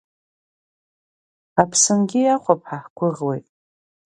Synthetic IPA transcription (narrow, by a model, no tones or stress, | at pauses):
apʰsɨnɡʲɪjaχʷap̚ʰʼħaħɡʷʊʁwejtʼ